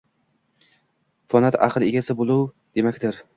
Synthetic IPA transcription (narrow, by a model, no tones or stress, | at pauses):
fɒnat̪a̰qʰɨlˠeɡʲasɪbolˠuw | d̪̥e̞makʲd̪ɪɾ